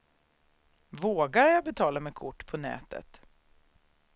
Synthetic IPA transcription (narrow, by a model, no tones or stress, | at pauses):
voːɡaɾjabɛt̪ʰɑːlamɛkʰʊʈːpʰɔnɛ̰ːt̪ə̰t̪